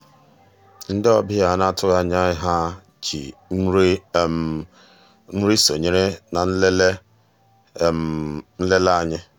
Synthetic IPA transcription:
n̩˦dɪ˦ɔ˦bɪ˦a˨na˦tʊ˦ɣa˦ɲa˦ɪ˦ɦa˦ | t͡ʃḭ˨˦ | n̩˦ɾi˦so˨ɲe˦ɾe˦na˨n̩˦le˦le˦˨ | mn̩˦le˦la˦ɲɪ˦

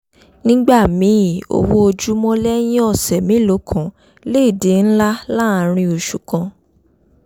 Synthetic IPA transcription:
nĩ˦ɡ͡ba˦˨mĩ˨˦˨o̰˧wo˦o˧d͡ʒu˦mɔ̃˦lɛ˦j̃ĩ˦ɔ˦˨sɛ˨mĩ˨˦lo˨˦kʰɔ̃˨ | le˦i˦˨de˨˦n̩˦la˦la˦˨˧ɾ̃ĩ˧o˧ʃu˨kã˧

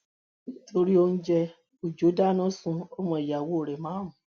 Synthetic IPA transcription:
nĩ˦tʰo˧ɾi˦o˧n̩˦d͡ʒɛ˧ | o˨d͡ʒo˨˦da˦nɔ̃˦sũ˧o˦mɔ̃˧˨i˨ja˨wo˨˦o˦˨ɾɛ˨mãː˨˦ɦũ˨

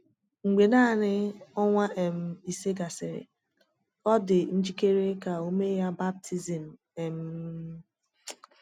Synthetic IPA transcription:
ŋ͡m̩˨ɡ͡be˨na˦˨nɪ˦ɔ˦ŋʷa˦ʔe˨m̩˦i˨se˦ɡa˨sɪ˨ɾɪ̰˨ | ɔ˦dɪ˨n̩˦d͡ʒi˦ke˦ɾe˦ka˨o˦me˦ja˦ba˦b̚tʰi˦zi˨m̩˨ | e˨m̩˦

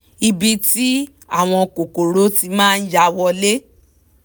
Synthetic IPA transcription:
i˧bi˧ti˦ | a˦˨w̃ɔ̃˧ko˨ko˨ɾo˨˦ti˧mãː˦˧n̩˦d͡ʒa˧wɔ˧le˦

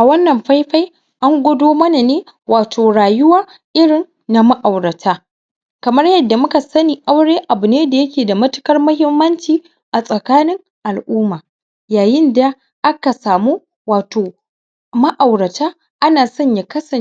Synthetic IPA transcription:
ʔa˨wɐ˦nːɐ˨mɸa˦jɸa˦j | ʔa˦ŋɡʷʊ˦doː˦mɐ˦na˨neː˦ | waː˨tʰoː˨ɽaː˨jʊ˦waː˦ | ʔɪ˦ɽɪ˨nːa˦mɐ˦ʔa˨wɽɐ˨tʰaː˦ | kɐ˨mɐ˦rjɐ˦dːa˨mʊ˦ka˨sɐ˦niː˨ʔa˦wɽeː˦ʔa˨bʊ˨neː˦da˨jɐ˦kʲeː˨da˨mɐ˦tʊ̥˦kɐ˦rmɐ˦hɪ˦mːɐ˦nt͡ʃiː˨ | ʔa˨sʼɐ˨kaː˦nɪ˦ŋ | ʔa˨lʔuː˦maː˨ | jaː˨jɪ˦nda˨ | ʔa˦ka˨saː˨muː˦ | waː˨toː˨ | mɐ˦ʔa˨wɽɐ˨taː˦ | ʔa˦naː˨sɔ˦ɲja˨kɐ˦sɐ˨

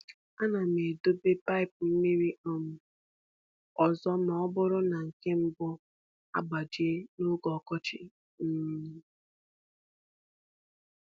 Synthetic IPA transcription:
a˦na˨me˨do˦be˦pa˦ɪ˨pʊ˨m̩˦me˦ɾi˦ʔɔ˦m̩˦ | ɔ˨zɔ˦m̩˦˨˦ɔ˦bʊ˦ɾʊ˦na˨ŋ̩˨ke˦m̩˦bʊ˦ | a̰˦ɡ͡ba˨d͡ʒi˨˦e˦no˦ɡɔ˨kɔ˦t͡ʃɪ˦

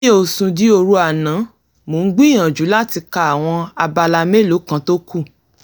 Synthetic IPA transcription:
o˦˨sũ˧di˨˦o˧ɾu˦a˨nã˨˦ | mo˨n̩˦ɡ͡bĩ˦ã˨d͡ʒu˨˦la˦ti˧ka˧˨a˨w̃ɔ̃˧a˧ba˧la˧me˦lo˨˦kã˦˧to˦ku˦˨

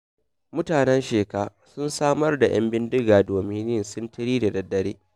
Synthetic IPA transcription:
mʊ˦taː˨nɛ˦nʃeː˨ka˦˨sʊ˦nsaː˦mɐ˦rda˨j̰ɐ̰˦mbɪ˦ndɪ˦ɡaː˨doː˨mɪ˦nnɪ˦nsʊ˦ntɪ˦ɾiː˦da˨dɐ˨dːɐ˦ɽeː˦

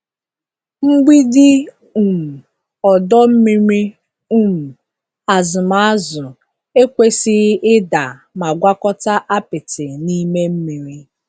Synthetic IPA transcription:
ŋ͡m̩˦ɡ͡bi˦dɪ˦ | u˨m̩˨ | ɔ˨dɔ˦m̩˦mi˦ɾi˦ | u˦m̩˨ | a˨zʊ˨ma˨˦a˦zʊ˨ | e˦kʷe˦si˦ʔɪ˦da˨ | ma˨ɡʷa˦kɔ˦ta˦ʔa˦pɪ˨tɪ˨ni˦me˦m̩˦mi˨ɾi˦

